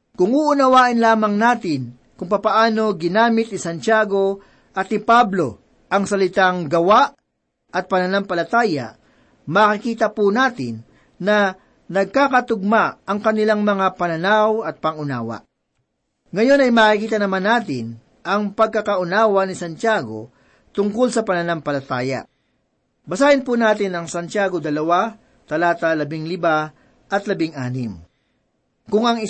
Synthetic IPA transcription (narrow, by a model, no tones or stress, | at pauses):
kʊŋuʔʊnɐwaːʔɪnlaːmɐŋnaːt̪ɪn | kʊŋpɐpɐʔaːno̞ɡɪnaːmɪt̪̚ːɪsɐnt͡ʃjaːɡo̞ | ʔɐt̪ɪpablo̞ | ʔɐŋsɐlɪt̪aŋɡɐwaʔ | ɐt̪̚pɐnɐnampɐlɐt̪aːja̰ | makɪkiːt̪ɐpunaːt̪ɪ̰nː | ɐ | nɐɡ̚kakɐt̪ʊɡ̚maɐŋkɐnɪlaŋmɐŋapɐnɐnawɐt̪̚pɐŋʊnaːwɐ̰ | ŋɐjo̞nɐjmaːkɪkiːt̪ɐnɐmanːaːt̪ɪn | ʔɐŋpɐɡ̚kːɐkɐʔʊnaːwɐnɪsɐnt̪jaːɡo̞̰ | t̪ʊŋkolsɐpɐnɐnampɐlɐt̪aːjɐ̰ | bɐsaːʔɪnpunaːt̪ɪnɐŋsɐnt̪jaːɡod̪ɐlɐwa | t̪ɐlaːt̪alɐbɪŋlɪba | ʔɐt̪lɐbɪŋʔaːnɪm | kʊŋɐŋɪ